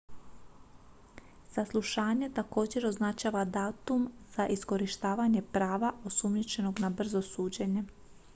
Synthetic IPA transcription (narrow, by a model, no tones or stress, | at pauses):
saslˠuʃaːɲet̪ako̞ːd͡ʑe̞ɾo̞znat͡ʃaːʋad̪aːt̪umz̥aʔisko̞ɾiʃt̪aːʋaɲe̞pɾaːʋao̞sumɲit͡ɕe̞no̞ɡnabr̩zo̞suːd͡ʑe̞ɲe̞